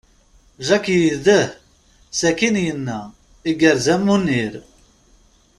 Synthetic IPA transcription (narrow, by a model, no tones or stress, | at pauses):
ʒækjiðəh | sækinjənːæ | iɡəɾzæmːunːiɾ